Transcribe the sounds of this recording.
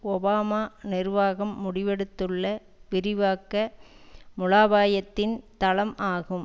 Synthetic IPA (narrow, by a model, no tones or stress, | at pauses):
ɔbaːmaːnɪrʋaːɣɐmːʊɽɪʋɛɽɯt̪ːɯɭːɐ | pɪɾɪʋaːkːɐ | mʊlaːʋaːjɐt̪ːɪnt̪ɐlɐmʔaːɣɯm